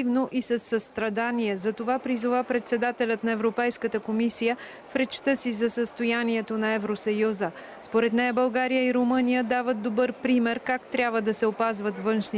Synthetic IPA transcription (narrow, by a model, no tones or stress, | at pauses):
ivnoʔisɐsːəst̪ɾɐd̪aniɛzɐt̪ovapɾizovapɾɛt̪sɛd̪at̪ɛlʲət̪nɐɛvɾopɛjskət̪əkomisijə | fɾɛt͡ʃt̪əsizɐsəst̪ojaniɛt̪onɐɛvɾosɐjuzə | spoɾɛt̪nɛjəbɐlˠɡaɾijəiɾomɤnijəd̪avət̪̚d̪obɤɾpɾimɛɾkakt̪ɾʲabvəd̪ɐsɛopazvət̪vɤnʃni